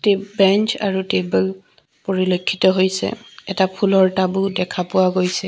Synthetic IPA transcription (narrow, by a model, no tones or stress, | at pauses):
tebɛnt͡ʃa̰ɹutebɛl | poɹilokʰːitɔɦojsɛ̰ɛtapʰulɔɹtabʊdɛkʰapʊwaɡojsɛ